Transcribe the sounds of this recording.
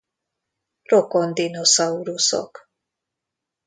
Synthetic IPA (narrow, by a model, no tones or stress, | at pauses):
ɾokond̪inosauɾusɔ̰k